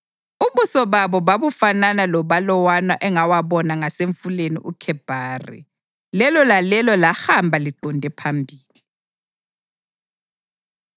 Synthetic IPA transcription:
uβusɔβaβɔβaβufananalɔβalɔwanaʔɛŋawaβɔnaŋaseɱfulenḭʔukʰɛb̥ʱaːrḭ | lɛlɔlalɛlɔlahambʱaliǃʱɔndʱɛpʰambʱiːli

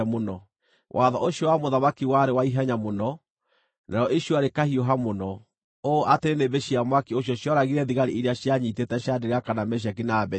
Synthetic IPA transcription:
monɔ | wʔaðɔ̰ʔoɕjɔwamoðamakiwaɾewaiɦaɲamonɔ | nʔaɾɔʔiɕjɔaɾekahioɦamonɔ | oʔateɾenebeɕiamwakioɕɔɕjɔɾaɣiɾɛðiɣaɾiʔiɾeaɕjaɲitetɛɕadeɾeakanamɛɕ̬ak̬inabɛ

